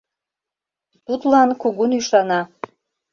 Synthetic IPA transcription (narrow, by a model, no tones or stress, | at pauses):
t̪ut̪lɑnkuɣunyʃɑnɑ